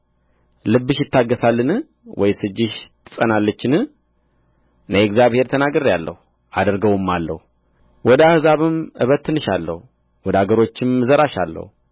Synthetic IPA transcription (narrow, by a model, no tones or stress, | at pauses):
lɨbːɨʃjɪt̪ːaɡːəsalːɨnɨ | wʔɔjsɨd͡ʒːɪʃt̪ʰɨ̥sʼənalːət͡ʃːɪnɨ | nəɛɡzjaβhe̞ɾt̪ʰənaɡəɾjalːə̰hu | ad̪ɾɡəwɨmːalːə̰hu | wɔd̪əahɨzaβɨmʔɨβət̪ʰːɨnːɨʃalːə̰hu | wɔd̪aɡəɾo̞t͡ʃːɪmːɨzəɾaʃa̰lːə̰hu